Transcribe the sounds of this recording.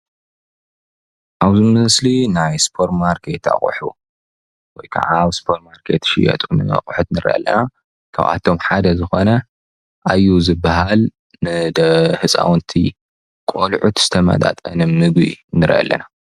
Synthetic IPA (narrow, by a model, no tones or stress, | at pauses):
ʔaβzɨmɨɨslinajspʰo̞ɾmaɾkʰet̪a̰χʼħu | wɔjkʰa̰ʕaβspʰoɾtmaɾkʰḛt̪ʃɪjɐ̰t̪ʼumɨɐ̰χʼħut̪nɨɾʔɐ̰lːɐ̰na | kʰa̰βa̰t̪ʰo̞mħad̪ɐzɨxo̞nɐ | ʔajːuzɨbːaɦal | nɨd̪ɐhɨsʼa̰wnt̪ʰi | kʼolʕut̪z̥ɨt̪ʰɐmɐ̰t̪ʼa̰t̪ʼɐnɨmmɨɡḭnɨɾʔɐ̰lːɐ̰na